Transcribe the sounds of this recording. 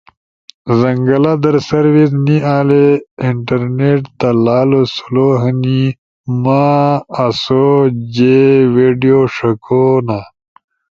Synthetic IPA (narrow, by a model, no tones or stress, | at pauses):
zɐŋɡɐlad̪ɐɾsɐɾwisniaːleiɳʈɐɾneʈt̪alaːlosu̥loɦəni | maː | sod͡ʑeweːɖijoʂɐkʰona